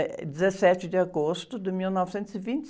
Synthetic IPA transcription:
d̪ɪzɐsɛt͡ʃɪd̪ɪaɡost̪ʊd̪ɪmiwnɔvɪsẽnt̪ʊzɪvĩnt̪ɪ

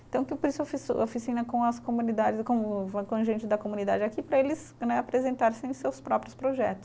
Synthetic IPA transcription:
t̪ɐ̃w̃kɪpoɾisʊofisʊo̰fisĩnɐkõɐskomunid̪ad͡ʒɪkõʊakõʒẽnt͡ʃɪd̪ɐkomunid̪ad͡ʒɪakipɾɐelɪs | nɛapɾezẽnt̪aɾsɪẽsewspɾɔpɾʊspɾoʒɛt̪ʊ̥ss

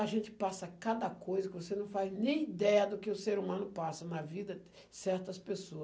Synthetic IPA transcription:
ɐʒẽnt͡ʃ̪ɪ̥pasɐkad̪ɐkojzɐkɪvosenɐ̃w̃faznẽj̃id̪ɛɐd̪ʊkɪʊseɾumɐ̃nʊpasɐnɐvid̪ɐ | sɛɾt̪ɐspesoɐs

